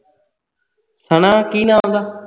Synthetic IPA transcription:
sənãːkiːnãːõːnd̪aː

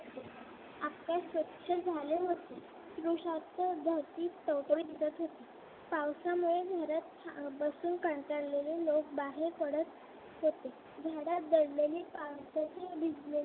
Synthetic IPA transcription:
apkaɕʋət̪ːɕʰəd͡zʱaleɦot̪e | sɾuɕat̪əd͡z̪ʱat̪iːt̪əwʈoid̪it͡s̪ət̪ɦot̪e | pawsamuɭedʱaɾat̪ | bəsuːnkəɳʈaɽlelelok̚baɦekəɽət̪ | ɦot̪e | d͡zʱaɽat̪̚d̪əɽlelipawsət͡sebid͡zle

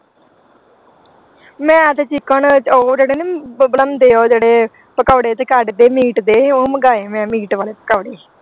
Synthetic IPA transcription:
mɛ̃ːət̪ʰet͡ʃɪkəɳt͡ʃoːd͡ʒeːɽeːnebələmd̪eːoːd͡ʒeːɽeː | pəkaːɽeːt̪eːkaɖd̪eːmiːʈd̪eːoːməɡaːeːmɛ̃ːmiːʈʋaːleːpəkaːɽeː

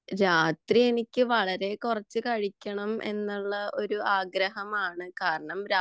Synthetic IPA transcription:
ɾaːt̪rie̞nikʲːɨʋɐɭɐɾe̞kurɐt͡ɕːɨkɐɻikʲːɐɳɐmʔe̞̰nːuɭːɐʔo̞ɾuaːɡɾɐɦɐmaːɳɨkaːɾɐɳɐmɾa

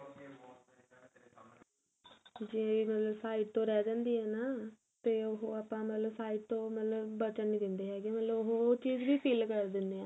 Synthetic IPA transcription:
d͡ʒɪẽːʋiːmət̪ləbsaːiːʈt̪õːɾɛːd͡ʒãːnd̪iːɦɛːnaː | t̪eːoɦoaːpãːmət̪ləbsaːiʈ̚t̪õːmət̪ləbbət͡ʃənːiːd̪ɪnd̪eːɦɛːɡɛ̃ːmət̪ləboɦoːot͡ʃiːzʋiːpʰiːlkəɾd̪ɪnd̪eːɛ̃ː

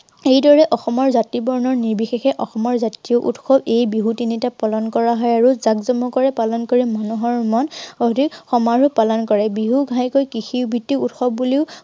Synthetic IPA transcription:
ejdɔɹɛʔɔxɔmɔɹzatibɔɹnɔɹniɹbixexɛʔɔxɔmɔɹzatijɔʔṵtxɔbejbiɦutinitapɔlɔnkɔɹaɦɔjaɹuzakzɔmɔkɔɹɛpalɔnkɔɹɛmɔnɔɦɔɹmɔnodʱixɔmaɹupalɔnkɔɹɛbiɦuɡʱajkojkixibʱitːiutxɔb̚uliʊ

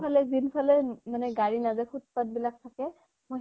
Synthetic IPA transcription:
alɛzinpʰalɛmanɛɡaɹinazɛxʰut̚pat̚bilak̚tʰakɛ | moj

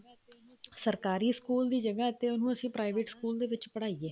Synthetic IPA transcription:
səɾkaːɾiːskuːld̪iːd͡ʒəɡaːət̪eːʊnũːəsĩːpɾaːɪʋeːʈskuːld̪eːʋɪt͡ʃpəɽaːieː

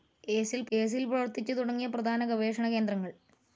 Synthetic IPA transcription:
eːsilpeːs̬ilprɐʋɐrt̪it͡ɕːɨt̪uɽɐŋːijɐprɐd̪ʱaːnɐɡɐʋe̞ːʂɐɳɐke̞ːnd̪rɐŋːɐɭ

